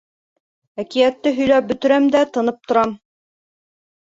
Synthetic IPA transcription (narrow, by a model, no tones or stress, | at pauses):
ækijæt̪ːɘɦɵ̆jlæp̚bɵ̆t̪ɘ̆ɾæmd̪æt̪ɤ̆nɤp̚t̪ŏɾɑm